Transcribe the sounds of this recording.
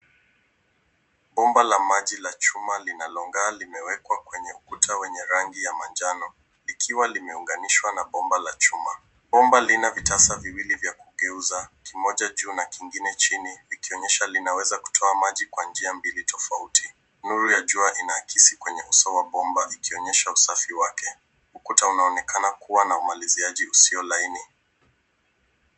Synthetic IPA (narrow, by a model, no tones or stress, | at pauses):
ɓɔmbalamaʄilat͡ʃumalinalɔŋɡaːlimɛwɛkwakwɛɲɛukutʰawɛɲɛɾaŋɡijamand͡ʒanɔ | likʰiwalimɛuŋɡaniʃwanaɓɔmbalat͡ʃuma | ɓɔmbalinavitasaviwilivjakuɡɛuzakimɔʄaʄuːnakiŋɡinɛt͡ʃinivikiɔɲɛʃalinawɛzaku̥tʰɔamaʄikwand͡ʒiambilitʰɔfautʰi | nuɾujaʄuaʔinakʰisikwɛɲɛʔusawaɓɔmbaʔikiɔɲɛʃausafiwakɛ | ukutaunaɔnɛkʰanakuwanaumaliziaʄiusiɔlaini